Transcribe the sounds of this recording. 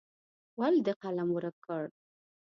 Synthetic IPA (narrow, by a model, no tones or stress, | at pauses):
wald̪əqalamwəɾakəɽ